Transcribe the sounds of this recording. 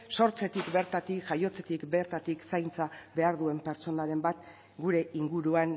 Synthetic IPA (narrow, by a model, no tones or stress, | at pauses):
so̞ɾt͡se̞t̪ikbe̞ɾt̪at̪ikʝajo̞t͡se̞t̪ikbe̞ɾt̪at̪iksajnt͡sabe̞aɾðue̞mpe̞ɾt͡ʃo̞naɾe̞mbat̪ | ɡuɾe̞ʔiŋɡuɾuan